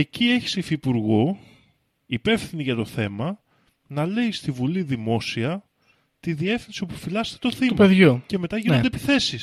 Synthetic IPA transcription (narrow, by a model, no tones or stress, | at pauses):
e̞cie̞çi̥seifipuɾɣo̞ | ipe̞fθiniʝɐt̪o̞θe̞mɐ | nɐle̞ist̪ivuliðimo̞siɐ | t̪iðie̞fθinsio̞pufilɐzse̥t̪et̪o̞θimɐeðʝuce̞me̞t̪ɐʝinond̪epiθe̞sis